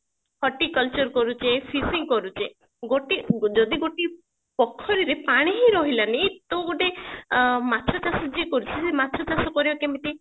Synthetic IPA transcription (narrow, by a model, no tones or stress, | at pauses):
hʰɔʈikɔlt͡ʃɔɾkɔɾut͡ʃʰepʰisiŋɡkɔɾut͡ʃʰe | ɡoʈid͡ʒɔd̪iɡoʈi | pɔkʰːɔɾiɾepaɽ̃iɦiɾɔɦilanet̪ooɖe | mat̪ʰɾɔt͡ʃasɔd͡ʒekɔɾut͡ʃʰisemat̪ʰɾɔt͡ʃasɔkɔɾibɔkemit̪i